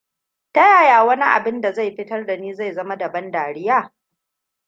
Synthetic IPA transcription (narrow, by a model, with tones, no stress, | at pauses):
ta˦jaː˦˨jaː˨wɐ˦ni˦ʔa̰˨bɪ˦nda˨za˦˨jɸɪ˦tɐ˦rda˨niː˦za˦˨jzɐ˦ma˦da˨bɐ˦ndaː˨ɾɪ˦jaː˦˨